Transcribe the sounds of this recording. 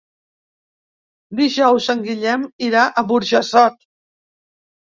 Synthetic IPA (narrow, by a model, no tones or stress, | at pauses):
d̪iʒɔwzəŋɡiʎɛmiɾaʔəβuɾʒəsɔt̪̚